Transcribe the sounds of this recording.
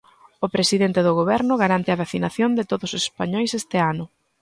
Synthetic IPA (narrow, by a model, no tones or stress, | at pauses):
ʊpɾesiðent̪eðʊɣ̞oβɛɾnʊɣaɾant̪eaβaθinaθjond̪ɪt̪oðosose̥spaɲɔjsest̪ɪanʊ